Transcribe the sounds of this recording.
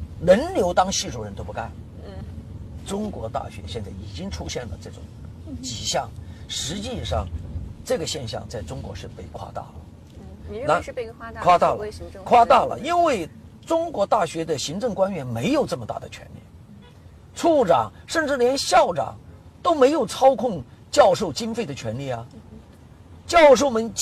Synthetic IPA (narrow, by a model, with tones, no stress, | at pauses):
ɻə˧˥nljo˧˥ʊt̪ɑ˥ŋɕi˥˧ʈ͡ʂu˥˩ɻə˧˥nt̪o˥ʊpu˥˩ka˥n | ʈ͡ʂʊ˥ŋkwɔ˧˥t̪a̰˥˩ɕɥɛ̰˧˥ɕjɛ˥˧nt͡sa˥˩ɪi˨˩t͡ɕi˥ŋʈ͡ʂʰu˥ɕjɛ˥˩nlə̰˩ʈ͡ʂɤ˥˩ʈ͡ʂʊ̰˨˩ŋ | t͡ɕi˨˩ɕjɑ˥˩ŋʂɻ̩˧˥t͡ɕi˥˧ʂɑ̰˥˧˩ŋʈ͡ʂɤ˥˩ɡə˩ɕjɛ˥˧nɕjɑ̰˥˧ŋt͡sa˥˩ɪʈ͡ʂʊ˥ŋkwɔ̰˧˥ʂɻ̩˥˧pe˥˧ɪkʰwa̰˥t̪a̰˥˩lə˩ | na˧kʰwa˥t̪a˥˩lkʰwa˥t̪a˥˩lə̰˩i˥nwe˥˩ɪ | ʈ͡ʂʊ˥ŋkwɔ˧˥t̪a˥˩ɕɥɛ˧˥d̪ə˨ɕi˧˥ŋʈ͡ʂɤ˥˩ŋkwa˥nɥɛ˧˥nme˧˥ɪjo˨˩ʊʈ͡ʂɤ˥˩mə˩t̪a̰˥˩d̪ə̰˩t͡ɕʰɥɛ̰˧˥nlḭ˥˩ | t͡sʰu˥˩ʈ͡ʂɑ̰˨˩ŋʂə˥˧nʈ͡ʂɻ̩˥˩ljɛ˧˥nɕjɑ˥˩ʊʈ͡ʂɑ̰˨˩˦ŋt̪o˥ʊme˧˥ɪjo˨˩ʊt͡sʰɑ˥ʊkʰʊ˥˧ŋt͡ɕjɑ˥˧ʊʂo˥˩ʊt͡ɕi˥nfe˥˩ɪd̪ə˩t͡ɕʰɥɛ˧˥nli˥˩ɐ˩ | t͡ɕjɑ˥˧ʊʂ̬o˥˩ʊmə˧˥nt͡ɕ